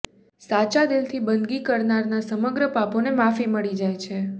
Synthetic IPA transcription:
sat͡ʃad̪ɪlt̪ʰibənd̪ɡikəɾnaɾnasəməɡɾəpaponemafiməɭid͡ʒajt͡ʃʰe

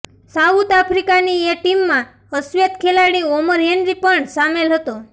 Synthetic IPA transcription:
saut̪apʰɾikanieʈimːã | əsʋet̪kʰelaɽioməɾɦeɳɖɾipəɳsamelɦət̪o

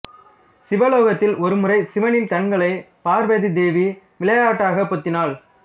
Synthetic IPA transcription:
sɪʋɐloːɣɐt̪ːɪlɔɾɯmɯrɐɪsɪʋɐnɪnk̪ɐɳɡɐɭɐɪ | paːɾʋeːðid̪eːʋi | ʋɪlɐjaːʈːaːɣɐpːɔt̪ːɪnaːɭ

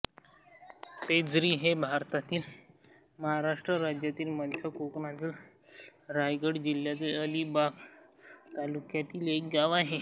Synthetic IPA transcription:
ped͡zɾiːɦebʱaɾt̪at̪iːl | məɦaɾaʂʈɾəɾad͡ʑjat̪iːlməd̪ʱjakokɳat̪iːl | ɾajɡəɽd͡ʑilːjat̪iləlibak | t̪alukjat̪iːlekɡaʋaɦe

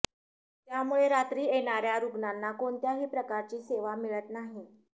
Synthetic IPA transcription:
t̪jamuɭeɾat̪ɾiːeɽ̃aɾjaɾuɡnanːakoɳt̪jaɦiːpɾəkaɾt͡ɕiːseʋamiɭət̪naɦi

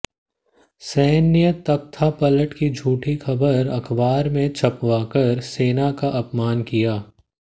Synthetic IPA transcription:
sɛːnjət̪ɐk̚t̪ʰapɐləʈkid͡ʒʱuːʈixɐbəɾɐkʰbaːɾmẽt͡ʃʰɐpwaːkəɾseːnakaʔɐpmaːnkijaː

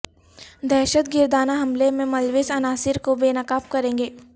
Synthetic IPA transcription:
d̪ɛːʃət̪̚ɡɪɾd̪aːnaɦɐmlemẽmɐlʋɪsɐnaːsɪɾkobeːnɐkaːp̚kɐɾẽːŋɡeː

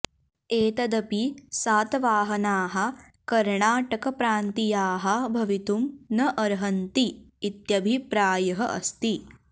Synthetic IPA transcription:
eːt̪ɐd̪ɐpisaːt̪ʋaːɦɐnaːɦɐ̆ | kɐɾɳaːʈɐkɐpɾaːnt̪ijaːɦɐbʱɐʋit̪umnɐʔɐɾɦɐnt̪iː | t̪jɐbʱipɾaːjɐɦɐʔɐ̰st̪i

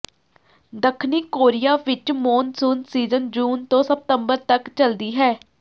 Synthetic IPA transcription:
d̪əkʰniːkoːɾɪjaːʋɪt͡ʃmoːnsuːnsiːzənd͡ʒuːnt̪õːsəp̚t̪əmbəɾt̪əkt͡ʃəld̪iːɦɛː

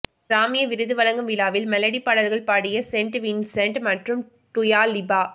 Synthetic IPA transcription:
ɾaːmɪjɐʋɪɾɯðɯʋɐlɐŋɡɐmʋɪlaːʋɪlmɛlɐɽipɐɽɐlɣɐɭpaːɽɪjɐsɛɳʈʋinsɛɳʈmɐʈrɯm | t̪ʊjaːlɪbaː

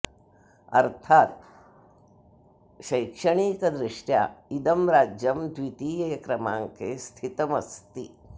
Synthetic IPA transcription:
ɐ̰ɾt̪ʰaːt̪̚ | ʃɐjkʂɐɳ̃iːkɐd̪ɾiʂʈja̰ːid̪ɐmɾaːd͡ʒjɐmd̪ʋit̪iːjeːkɾɐmaːŋkeːst̪ʰit̪ɐmɐst̪i

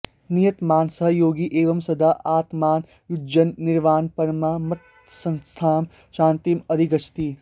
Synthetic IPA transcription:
nijɐt̪maːnsɐɦɐjoːɡiʔeːʋɐmsɐd̪ʱaːʔaːt̪maːn | jud͡ʒɐnːiɾʋaːnpɐɾmaːmɐt̪ | sɐ̃nst̪ʰaːm | ʃaːnt̪imɐd̪ʱiɡɐt͡ʃʰt̪iː

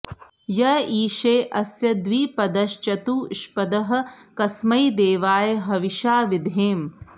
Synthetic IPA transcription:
jɐiːʃeːʔɐsjɐd̪ʋiːpɐd̪ɐʃt͡ʃɐt̪uːʃpɐd̪ɐɦɐ̆kɐsmɐjd̪eːʋaːjɐɦɐʋiʃaːʋid̪ʱeːm

